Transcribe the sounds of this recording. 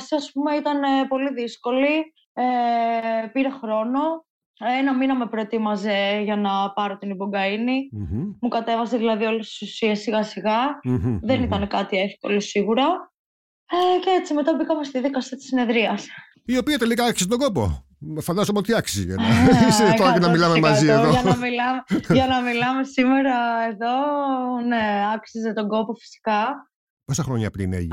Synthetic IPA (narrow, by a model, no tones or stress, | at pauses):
siɐspume̞it̪ɐnepo̞liðisko̞li | e | piɾexɾo̞no̞ | enɐminɐme̞pɾo̞t̪imɐze̞ʝɐnɐpɐɾo̞t̪inibo̞ɡɐinimukɐt̪e̞vɐseðilɐðio̞lest̪i̥susiesːiɣɐsiɣɐðe̞nit̪ɐnekɐt̪ieθi̥ko̰losiɣuɾɐ | eceet͡simet̪ɐbikɐmest̪iðikɐsiɐt̪i̥sine̞ðɾiɐs | io̞piɐt̪e̞likɐekçi̥set̪oɡo̞po̞̰ | efɐnd̪ɐzomeot̪iɐksi̥sʝḛɐst̪oɾɐenɐmilɐmemɐzieðoʝɐmilɐmeʝɐnɐmilɐme̞sime̞ɾɐe̞ðo̞neɐki̥ses̬et̪o̞ɡo̞po̞fi̥si̥kɐ | po̞sɐxɾoɲɐ̰pɾḭnḛʝi